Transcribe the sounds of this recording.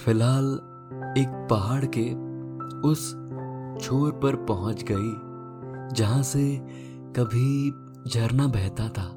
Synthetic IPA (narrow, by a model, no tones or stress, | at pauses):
fɪlɦaːl | eːk̚pɐɦaːɽke | ʊs | t͡ʃʰoːɾpɐɾpɐɦʊ̃t͡ʃɡɐi | d͡ʒɐɦãse | kɐbʱi | d͡ʒʱɐɾnabɛɦt̪at̪ʰaː